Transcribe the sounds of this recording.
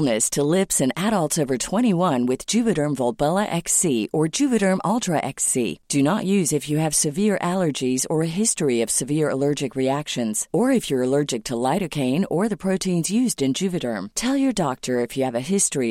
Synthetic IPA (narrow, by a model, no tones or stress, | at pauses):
nɨstʰəlɪpsɨ̃næɾəlˠtsoʊvə˞tʰw̥ɛ̃ɾ̃iwʌ̃nwɨð̥d͡ʒ̥ʉvɨɾə̃˞mvɔlˠbɛlˠəʔɛksiʔə˞d͡ʒʉvɨɾə̃˞mɑlˠtɹ̥əʔɛksḭd̥ɨnəʔjʉzɨfjɨɨv̥sɨvɪɹʔælˠə˞d͡ʒizə˞ɨɦɪstɹiʌv̥sɨvɪɹə̰lɜ˞d͡ʒɨkɹiækʃɨ̃nz̥ə˞ɨfjə˞əlɜ˞d͡ʒɨk̚tʰəlaɪɾɨkʰẽɪ̃nə˞ðɨpʰɹ̥oʊɾĩnzjʉzdɨ̃nd͡ʒʉvɨɾə̰̃˞mtʰɛlˠjə˞dɑk̚tʰə˞ɨfjɨːvɨɦɪstɹ̥i